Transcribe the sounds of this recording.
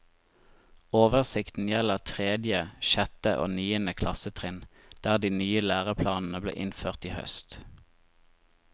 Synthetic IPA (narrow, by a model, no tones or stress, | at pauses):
oːʋəʁsɪkt̪n̩jɛləʁt̪ʰʁeːd̪jəʃɛt̪əʔo̰ːnyːənəkʰlɑsət̪ʰʁɪnd̪̥æːʁd̪iːnyːəlæːʁəpʰlɑːnn̩əblḛːʔɪnføːʁt̪iːhœ̰st̪